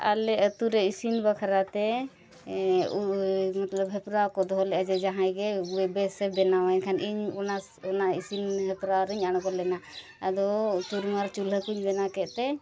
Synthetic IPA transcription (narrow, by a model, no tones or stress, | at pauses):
a̰lɛət̪uɾɛisinbakʰaɾat̪ɛ | umat̪ləbɦɛpɾawkɔd̪ɔɦɔlɛʔad͡ʒɛd͡ʒaɦãjɡɛwɛbɛsɛbɛnawaɛnkʰaniɲna | ɔnaisinɦɛpɾaɾiɲañɡɔlɛna | ad̪ɔt̪uɾmaɾt͡ʃulɦəkuɲbɛnakɛʔt̪ɛ